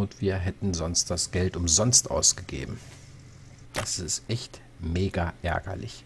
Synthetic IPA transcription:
ʊntv̥iːɐɦɛtn̩zɔnst̚d̥asɡ̥ɛltʊmzɔnstʔa̰ʊsɡ̥əɡḛːbm̩ | d̥asɪstʔɛçt | meːɡaʔɛ̰ɐɡɐ̰lɪ̰ç

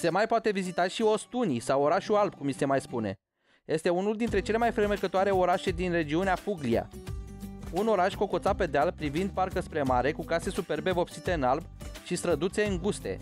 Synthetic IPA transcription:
se̞majpoat̪e̞vizit̪aʃio̞st̪unisawo̞ɾaʃualbkumise̞majspune̞̰ | je̞st̪e̞unuld̪in̪t̪ɾe̞t͡ʃe̞le̞majfɾɨrmekət̪oaɾe̞o̞ɾaʃe̞d̪inre̞d͡ʒiuneafuɡlia̰ | uno̞ɾaʃʲko̞ko̞t̪sape̞d̪ealpɾivind̪̚parkəspɾe̞maɾe̞kukase̞supe̞rbe̞vo̞psit̪e̞ɨnalbʃist̪ɾəd̪ut̪se̞ɨŋɡust̪e̞̰

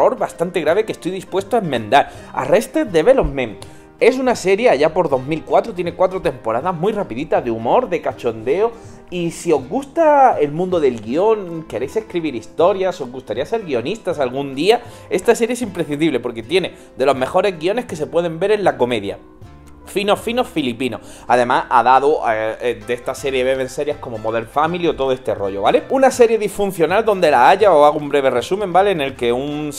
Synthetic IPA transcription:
o̞ɾβast̪ant̪e̞ɣɾaβe̞ke̞st̪ojðispwe̞st̪oaemːẽ̞nd̪aɾ | a̰re̞st̪ed̪e̞βe̞lomẽm | e̞s̬unase̞ɾje̞aʝapo̞ɾðo̞zmilkwat̪ɾot̪jene̞kwat̪ɾot̪e̞mpo̞ɾaðamujrapiðit̪aðeumo̞ɾðe̞kat͡ʃo̞nd̪e̞o̞ | isio̞zɣust̪ae̞lmũnd̪oðe̞lɣio̞ŋke̞ɾe̞jse̞hkɾiβ̞iɾist̪o̞ɾjaso̞zɣust̪aɾiase̞ɾɣio̞nist̪asalɣ̞und̪ia | e̞st̪ase̞ɾjeesimpɾeθind̪iβle̞po̞ɾke̞t̪je̞ne̞ | d̪e̞lo̞zme̞xo̞ɾe̞zɣio̞ne̞hke̞se̞pwe̞ð̞e̞mbe̞ɾe̞nlako̞me̞ðja̰ | fino̞fino̞filipino̞̰ | aðe̞masa̰ðaðod̪est̪ase̞ɾje̞βe̞βẽ̞nse̞ɾjahko̞mo̞moðe̞ɾfamilio̞t̪o̞ðoe̞st̪ero̞̰ʝo̞βaleunase̞ɾje̞ðifun̟θjo̞nald̪o̞nd̪e̞laaʝaoaɣumbɾe̞β̞e̞re̞sumẽmbale̞ne̞lke̞un

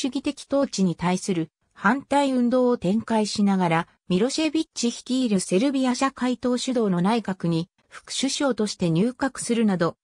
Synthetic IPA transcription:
ɕɨɡʲit̪e̞kʲi̥t̪o̞ːt͡ɕiɲ̟it̪aisɨɾɯ̟ | hãnt̪aiɯ̟̃nd̪o̞ːot̪ẽ̞ŋkaiɕinaɡaɾa | mʲiɾo̞ɕe̞bʲit͡ɕiçʲi̥kʲiːɾɯ̟se̞ɾɯ̟bʲijaɕakait̪o̞ːɕɨd̪o̞ːno̞naikakɯ̟ɲ̟i | ɸɯ̥kɯ̥ɕɨɕo̞ːt̪o̞ɕi̥t̪e̞ɲ̟ʲɨːkakɯ̟̥sɨɾɯ̟nad̪o̞

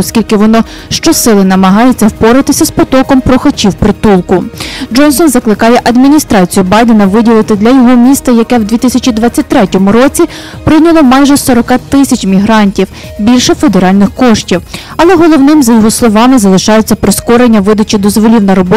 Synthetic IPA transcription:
ɔskʲilʲkɪʋɔnɔ | ʃt͡ʃɔsɪlˠɪnɐmɐɦɑjʊt͡sʲːɐwpɔɾɪt̪ɪsʲɐspɔt̪ɔkɔmpɾɔxɐt͡ʃʲiwpɾɪt̪ulˠkʊd͡ʒɔnsɔnzɐklˠɪkɑjɛʔɐd̪mʲinʲist̪ɾɑt͡sʲijʊbɑjd̪enɐʋɪdʲilˠɪt̪ɪd̪lʲɐjɔɦɔmʲist̪ɐjɐkɛwd̪ʲʋʲit̪ɪsʲɐt͡ʃid̪ʋɑt͡sʲːɐt̚ʲt̪ɾɛtʲɔmʊɾɔt͡sʲi | pɾɪnʲɐlˠɔmɑjʒɛsɔɾɔkɑt̪ɪsʲɐt͡ʃʲmʲiɦɾɑnʲtʲiw | bʲilʲʃɛfe̞d̪eɾɑlʲnɪxkɔʃtʲiw | ɐlˠɛɦɔlˠɔwnɪmzɐjɔɦɔslˠɔʋɑmɪzɐlˠɪʃɑjʊt͡sʲːɐpɾɪskɔɾenʲːɐʋɪd̪ɐt͡ʃʲid̪ɔzʋɔlʲiwnɐɾɔbɔ

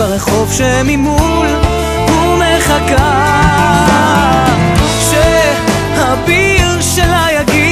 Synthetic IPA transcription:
aʁeχo̞vʃemimu | l | humeχaka | ʃe | habi | ʁ | ʃelajaɡi

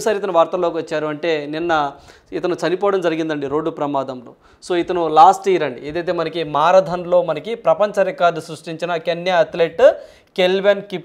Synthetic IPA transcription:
saːɾit̪ɐnuʋaːɾt̪ɐlo̞ːkiʋɐt͡ʃːaːɾuɐɳʈe̞ːninːɐ | it̪ɐnut͡ʃɐnipɔːʋɽɐmd͡ʒɐɾiɡind̪ɐɳɖiɾoːɖːupɾɐmaːd̪ɐmlo̞̰ː | so̞ːit̪ɐnulaːsʈiːɾɐɳɖieːd̪ɐjt̪̬e̞ːmɐnɐkimaːɾɐd̪ʱɐnlo̞ːmɐnɐkipɾɐpɐɲt͡ʃɐɾɛkaːɾd̪ɐsɾuʂʈiɲt͡ʃinɐkenːjɐɐt̪leʈ | kelʋenkip

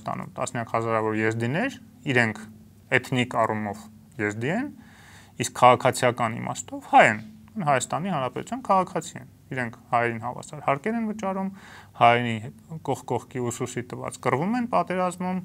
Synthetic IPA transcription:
t̪ɑ̰nṵmt̪ɑ̰snjɑkhɑzɑɾɑvɔɾjɛzd̪inɛɾ | iɾɛŋkʰ | ɛt̪ʰnikɑrumɔv | jɛzd̪iɛn | iskʰːɑʁɑkʰɑt͡sʰijɑkɑnḭmɑ̰st̪ɔvhɑjɛn | nhɑjɑst̪ɑnihɑnɾɑpɛt̪u̥t͡sʰɑnkʰɑʁɑkʰɑt͡sʰiɛ̰n | iɾɛŋkʰhɑjɛɾinhɑvɑ̰sɑɾhɑɾkɛɾɛnvət͡ʃɑɾumhɑjɾikɔχkɔχkiususit̪əvɑ̰t͡skərvumɛnpɑt̪ɛɾɑzmum

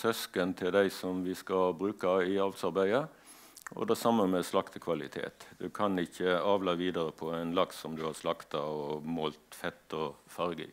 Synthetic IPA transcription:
sœskənt̪ʰɪld̪æɪsɔmʋɪskɑbɾʉːkɑɪɑlt̪sɑɾbæɪə | ʔɔ̰d̪ɛsɑmːəmɛslɑkt̪əkʰʋɑlɪ̰t̪ʰḛːt̪d̪ʉkʰɑnɪçːəɑːʋlɑʋiːd̪əɾəpʰɔæɪnlɑkssɔmd̪ʉhɑɾslɑkt̪ɑɔmoːlt̪fɛt̪ːɔfɑɾɡə̰

